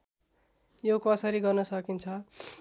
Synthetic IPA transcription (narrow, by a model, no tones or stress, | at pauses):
jokʌsʌɾiɡʌrnʌsʌkint͡sʰʌ